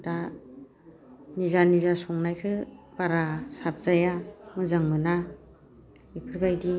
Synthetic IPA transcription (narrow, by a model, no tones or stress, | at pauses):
da | nizanizasɔŋnajkʰɯpaɾasap̚z̥ajamɯzaŋmɯna | ipʰɯɾbajdi